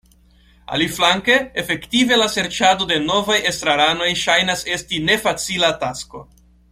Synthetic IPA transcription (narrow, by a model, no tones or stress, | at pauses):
a̰liflaŋke̞ːfe̞ktive̞lase̞ɾt͡ʃado̞de̞no̞vaje̞stɾaɾano̞jʃajnase̞stine̞fat͡silatasko̞